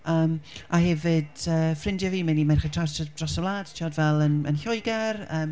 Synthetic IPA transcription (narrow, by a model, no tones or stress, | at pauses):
əːmʔahɛvɪd̥əːfrɪndjaviːmanimanχəntʰrasd̥rɔsəwlˠaːd̥tʰɔdvɛlˠənə̰nɬɔɨɡɛrəːm